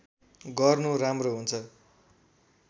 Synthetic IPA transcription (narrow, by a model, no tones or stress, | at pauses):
ɡʌrnuɾamroɦunt͡sʰʌ